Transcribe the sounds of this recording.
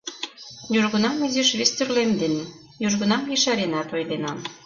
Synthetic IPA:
juʒɣə̆nɑmizeʃβest̪yrlemd̪en | juʒɣə̆nɑmjeʃɑɾenɑt̪ojd̪enɑn

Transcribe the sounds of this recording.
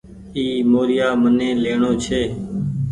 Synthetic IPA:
iːmoːɾɪjaːmənẽːleːɳoːt͡ʃʰeː

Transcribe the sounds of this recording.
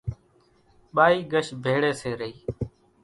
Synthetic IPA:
ɓaːiːɡəʃbʱeːɽeːseːɾəiː

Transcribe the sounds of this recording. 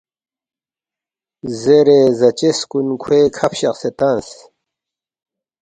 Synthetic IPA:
zeɾezɐt͡ɕeskunkʰweːkʰɐpɕɐqset̪ãns

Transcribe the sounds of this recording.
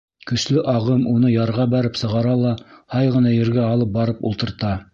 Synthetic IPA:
kɵ̆ʃlɘʔɑʁɤmunɤjɑɾʁɑbæɾɘpsɤ̆ʁɑɾɑlˠɑhɑjʁɤ̆nɑjɵ̆ɾɡæɑlˠɤp̚bɑɾɤpṵlˠt̪ɤ̆ɾt̪ɑ

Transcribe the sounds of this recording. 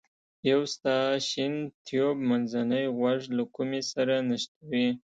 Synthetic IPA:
jawst̪ɑʃint̪ʰjobmanzanəjɣwaʐlakumesaɾanaʃt̪awi

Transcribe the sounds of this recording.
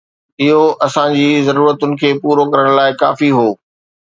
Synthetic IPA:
ɪɦoʔɐsãd͡ʑiːzɐɾuːɾət̪ʊnɪ̆kʰeːpuːɾokɐɾəɽ̃laːɪka̰ːfiɦoː

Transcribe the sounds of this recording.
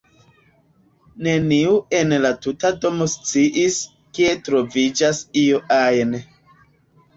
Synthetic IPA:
ne̞niue̞nlatutado̞mo̞st͡siʔis | kie̞tɾo̞vid͡ʒasioʔajn

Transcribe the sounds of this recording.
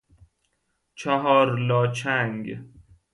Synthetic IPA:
t͡ʃʰæɦɒːɾlɒːt͡ʃʰæŋɡ

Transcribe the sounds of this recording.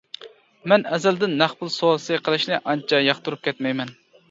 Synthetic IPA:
mɛnɛzɛld̪ɪnːæχpʊlˠsoɑsɨqʰəlˠɨʃnɨʔɑnt͡ʃʰɑjɑχt̪uɾup̚kʲʰɛt̪mɛjmɛn

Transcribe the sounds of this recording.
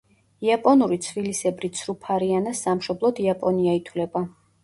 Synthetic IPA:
iapʼɔnuɾit̪sʰvilisɛbɾit̪sʰɾupʰaɾianasːamʃɔblˠɔd̪iapʼɔniait̪ʰwlɛba

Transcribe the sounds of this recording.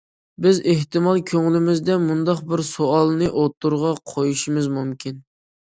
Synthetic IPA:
bɪzeht̪ɨmɑlˠkʲʰøŋlɪmɪzd̪ɛmund̪ɑqbɪɾsoɑlˠnɨʔot̪ʰːuɾʁɑqʰojuʃimɨzmumkʲin

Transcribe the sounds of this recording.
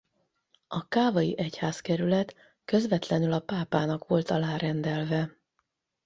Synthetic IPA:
ʔɒkaːvɒjiʔɛchaːskɛɾylɛt̪ | kø̞zvɛt̪lɛnylɒpaːpaːnɒkʋo̞lt̪ɒlaːɾɛnd̪ɛlvɛ

